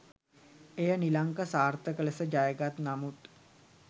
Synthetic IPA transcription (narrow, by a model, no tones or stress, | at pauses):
ejənilaŋkəsaːrt̪əkələsəd͡ʒajəɡat̪namut̪